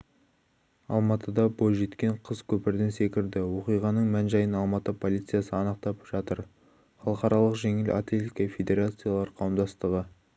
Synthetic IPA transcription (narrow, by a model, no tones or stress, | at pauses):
ɑ̰lˠmɑt̪əd̪ɑbo̞lˠʒe̞t̪kʲe̞ɴqʰəzkʲʰɵpɪɾd̪ɪnse̞kʲɪɾd̪ɪwo̞qijʁɑnəɴmænʒɑjənɑlˠmɑt̪əpʰo̞lʲˠijt̪sɨjasəɑnəq̚t̪ɑpʒ̥ɑt̪əɾ | χɑlˠəqɑɾɑlˠəqʒe̞ŋɪlʔa̰t̪lʲe̞t̪ʲikɑfʲe̞d̪ʲe̞ɾat̪sɨjalˠɑɾqʰɑwəmd̪ɑst̪əʁə